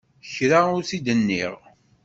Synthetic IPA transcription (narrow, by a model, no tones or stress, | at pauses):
çɾaʊɾθid̪ənːḭʁ